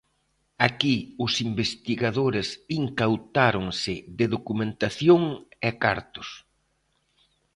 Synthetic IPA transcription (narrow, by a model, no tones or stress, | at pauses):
akiʊsimbest̪iɣaðoɾɪsiŋkawt̪aɾʊŋsɪðɪðokumẽnt̪aθjoŋɛka̰ɾt̪ʊ̥s